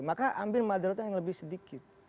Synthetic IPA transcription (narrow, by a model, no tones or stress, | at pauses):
makaʔambɪlmadaɾɔt̪aŋləbɪhsədikɪt̪̚